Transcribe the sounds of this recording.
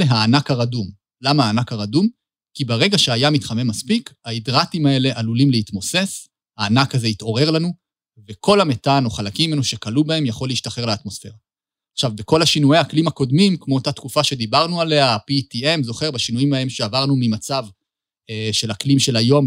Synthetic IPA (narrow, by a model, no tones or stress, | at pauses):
eɦaːnakaʁadum | lamaaːnakaʁadum | kibeʁe̞ɡaʃeajamitχame̞maspikhaidʁatimae̞le̞ʔalulimleitmo̞se̞s | haːnakaze̞ito̞ʁe̞ʁlanu | vekʰo̞lame̞tano̞χalakimimenuʃe̞kalubae̞mjaχo̞leiʃtaχe̞ʁleatmo̞sfe̞ʁaː | χʃavbeko̞lhaʃinujejhaklimako̞dmimkmoːtat̪kufaʃe̞d̪ibaʁnuale̞apitie̞mzo̞χe̞ʁbaʃinuimae̞mʃeavaʁnumimat͡sav | ʃelaklimʃe̞lajo̞m